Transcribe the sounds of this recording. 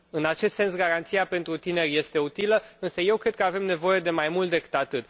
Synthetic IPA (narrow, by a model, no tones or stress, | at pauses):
ɨnat͡ʃe̞st̪se̞nsɡaɾant̪sijape̞nt̪ɾut̪ine̞rʲje̞st̪e̞ut̪iləɨnsəje̞wkɾe̞d̪̚kəave̞mne̞vo̞je̞d̪e̞majmult̪d̪e̞kɨ̥t̪at̪ɨt̪